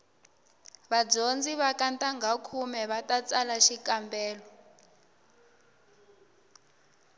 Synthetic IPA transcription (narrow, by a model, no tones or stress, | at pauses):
βad͡zond͡ziβakantʼaŋɡʱakʰumɛβatʼat͡sʼalaʃikʼambɛːlɔ